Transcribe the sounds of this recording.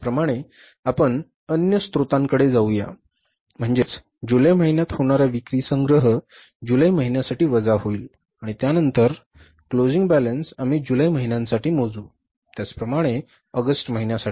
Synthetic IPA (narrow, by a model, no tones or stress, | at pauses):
pɾəmaɽ̃e | apəɳ | ənjəst̪ɾut̪ãŋkəɽed͡zauja̰ | m̤əɳd͡zet͡s | d͡ʑuləjməɦinjat̪hoɽ̃aɾaʋikɾisəŋɡɾəɦə | d͡ʑuləjməɦinjasaʈiːʋəd͡zaɦoiːl | aɽ̃it̪janənt̪əɾ | klod͡ziŋɡbælənsamiːd͡ʑuləjməɦinjãnsaʈiːmod͡zuː | t̪jat͡spɾəmaɽ̃e | əɡəsʈməɦinjasai